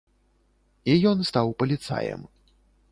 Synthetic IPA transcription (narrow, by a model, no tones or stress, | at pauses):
ijɔnst̪awpɐlʲit̪sa̰jɛ̰m